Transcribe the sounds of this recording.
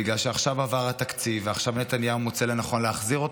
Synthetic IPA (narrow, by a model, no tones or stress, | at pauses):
iɡlalʃeaχʃavavaʁat̪akt͡siveaχʃavnet̪anjaumot͡selenaχo̞nleaχziʁo̞t